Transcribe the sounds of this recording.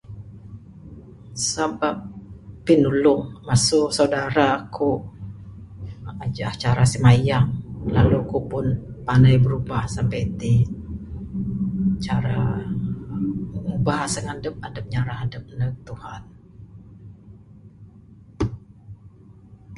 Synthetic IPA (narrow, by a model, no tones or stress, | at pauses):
sabapːinulʊŋmasʊʔsaudaɾakʰu | ad͡ʒaht͡ʃaɾasimajaŋlalukupʊnpanajbəɾubahsampajt̪i | t͡ʃaɾa | ubaɦasəŋadəp̚adəp̚ɲaɾahadəp̚nək̚t̪uhan